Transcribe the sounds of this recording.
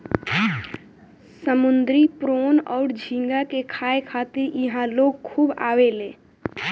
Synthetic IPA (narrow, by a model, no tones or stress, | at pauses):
səmʊnd̪ɾipɾoːnɔːɾd͡ʒʱĩŋɡakekʰaːekʰaːt̪ɪɾjəɦãloːɡ̚kʰuːba̰ːwelẽː